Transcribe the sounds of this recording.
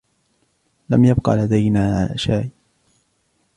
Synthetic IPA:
lamjabqɑ̰lad̪ajnaːʕala̰ːʃaːj

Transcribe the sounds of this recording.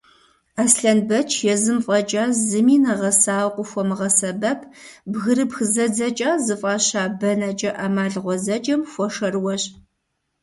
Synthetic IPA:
aːsɬɐnbɐt͡ʃʰjɛzɨmfʼɐt͡ʃʼaːzɨmiːnɐʁɐsaːwqʷʊxʷɔmɨʁɐsɐbɐpʰbɣɨɾɨpxɨzɐd͡zɐt͡ʃʼaːzɨfʼaːɕaːbɐnɐt͡ʃʼɐʔamaːɮʁʷɔzɐt͡ʃʼɐmxʷɔʂɐrwɔɕʼ

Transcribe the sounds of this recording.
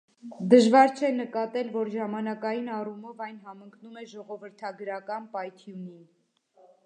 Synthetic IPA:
d̪əʒvɑɾt͡ʃʰɛnəkɑt̪ɛlvɔɾʒɑmɑnɑkɑjinɑrumɔvɑjnɦɑməŋkʰnumɛʒɔʁɔvəɾt̪ʰɑɡɾɑkɑnpɑjt̪ʰjuni

